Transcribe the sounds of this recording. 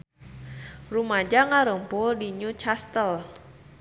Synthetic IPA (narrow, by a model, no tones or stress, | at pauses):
rumad͡ʒaŋaɾəŋpʊldiɲut͡ʃast̪əl